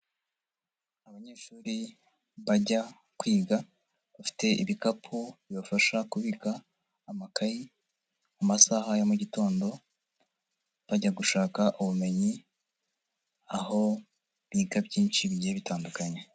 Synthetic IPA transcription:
aβaɲe̞ːʃuːɾi | βaɟa | kwiːɡa | βafi̥te̞ʔiβikapʰuβjβofaʃakuβikaː | makaji | amasahajomuɟito̞ːndo̞ | βaɟaɡuʃaːkaʔuβume̞ɲi | aho̞ | βiːɡabɟiːnt͡ʃiβiɟeβitaːndukaɲe̞

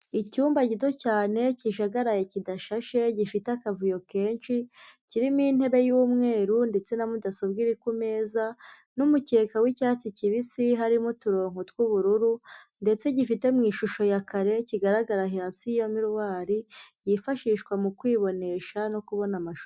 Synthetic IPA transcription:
icuːmbaɟito̞caːne̞ciʃaɡaɾajecidaʃaʃe̞ɟifitakavujo̞ke̞ːnʃiciɾimin̥he̞βe̞juːmŋe̞ːɾunde̞t͡se̞namudasubɡiɾikume̞ːza | numuce̞ːkawicaːt͡siciβisiɦaɾimutuɾo̞ːŋhotwuβuɾuɾu | nde̞t͡se̞ɟifite̞mŋiːʃuʃo̞jakaɾe̞ciɡaɾaɡaɾaɦasijomiɾwaːɾijifaʃiːʃkwamukwiːβo̞ne̞ʃano̞kuβo̞namaʃu

